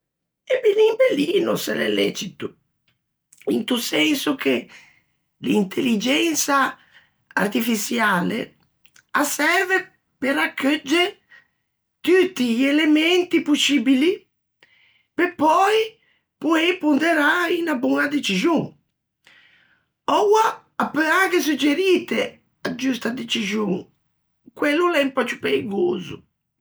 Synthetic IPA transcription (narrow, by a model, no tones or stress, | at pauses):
ebinimbeliːnʊsɛ̰lɛ̰lːɛ̰t͡ʃit̪u | ḭnt̪usɛnsʊkʰe | lint̪ʰelid͡ʒɛnsa | a̰rt̪ifisjaːlḛ | asɛɾve | peɾakʰːød͡ʒːe | t̪ut̪ːiʎelemɛnt̪ipusibili | pepːɔj | puepund̪eɾainabuŋad̪et͡ʃizjuŋ | ɔwaː | pːøakes̬ud͡ʒeɾiːt̪e | ad͡ʒust̪ad̪et͡ʃizjuŋ | kwelːulɛmpat͡ʃːupeiɡo̰ːzṵ